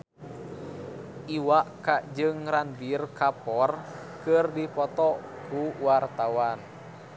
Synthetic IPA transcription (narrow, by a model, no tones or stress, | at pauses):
ʔiwaʔkaʔd͡ʒɨŋɾanbirkapɔr | kɨrdipɔt̪ɔkuwart̪awan